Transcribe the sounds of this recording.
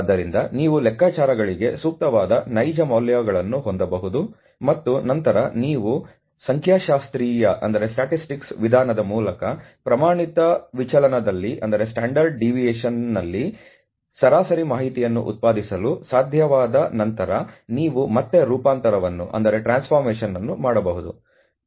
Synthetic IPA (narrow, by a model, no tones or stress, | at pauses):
d̪ːɐɾind̪ɐniːʋulɛkːaːt͡ʃaːɾɐɡɐɭiɡe̞suːk̚t̪ɐʋaːd̪ɐnɐjd͡ʒɐmɐːljaːɡɐɭɐnːuɦond̪ɐbɐɦud̪u | mɐt̪ːunɐnt̪ɐɾɐniːʋu | sɐŋkʰjaːʃaːst̪ɾiːjɐʔɐ̰nd̪ɐɾe̞sʈaːʈisʈiksʋid̪ʱaːnɐd̪ɐmuːlɐkɐpɾɐmaːɳit̪ɐʋit͡ʃɐlɐnɐd̪ɐlːiʔɐ̰nd̪ɐɾe̞sʈaːɳɖɐɾɖ̚ɖiʋijeːʃɐnːɐlːi | sɐɾaːsɐɾimaːɦit̪ijɐnːṵʔṵt̪̚paːd̪isɐlusaːd̪ʱjɐʋaːd̪ɐnɐnt̪ɐɾɐniːʋumɐt̪ːe̞ɾuːpaːnt̪ɐɾɐʋɐnːṵʔɐ̰nd̪ɐɾe̞ʈɾaːnspʰɐɾmeɛːʃɐnːɐnːumaːɽɐbɐɦud̪ṵ